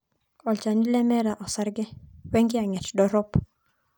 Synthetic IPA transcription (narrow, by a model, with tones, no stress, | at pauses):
ɔ˨lt͡ʃa˨ni˦lɛ˦mɛ˦ɾa˨ʔɔ˨sa˦ɾɡɛ˦wɛ˦ŋɡɪ˦a˨ŋɛ˨t͡ʃdɔ˨ɾɔ˦p